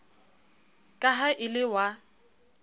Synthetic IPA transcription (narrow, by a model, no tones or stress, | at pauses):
kʼaɦaʔɪlɪwa